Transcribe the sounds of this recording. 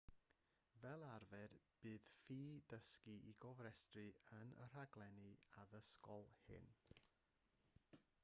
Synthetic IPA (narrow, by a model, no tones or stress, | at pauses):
vɛlˠarvɛdb̥ɨːð̥fiːdəskiʔiɡɔvɾɛstrɨənə̰r̥aɡlˠɛniaðəskɔlˠhɨ̰n